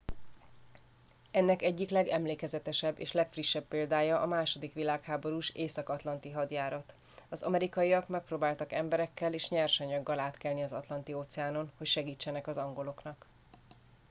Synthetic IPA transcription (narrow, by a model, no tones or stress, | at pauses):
ɛnːɛkɛɟːiklɛɡɛmleːkɛzɛt̪ɛʃɛbːḛːʃlɛkfriʃːɛbːeːld̪aːjɒʔɒmaːʃo̞d̪ikʋilaːkhaːbo̞ɾuːʃeːsɒkɒt̪lɒnt̪iɦɒd̪jaːɾɒt̪ | ɒzɒ̰mɛɾikɒjiɒkmɛk̚proːbaːlt̪ɒkɛmbɛɾɛkːɛleːʃɲɛrʃɛɲɒɡːɒlaːt̪kɛlniɒzɒ̰t̪lɒn̪t̪ioːt̪sɛaːno̞nho̞cʃɛɡiːt͡ʃːɛnɛkɒzɒŋɡo̞lo̞knɒk